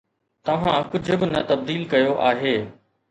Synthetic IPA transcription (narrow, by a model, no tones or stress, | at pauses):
t̪ɐʋ̤ãkʊd͡ʑʱʊ̆bɪnɐt̪ɐb̚d̪iːlkɐjoʔaːɦeː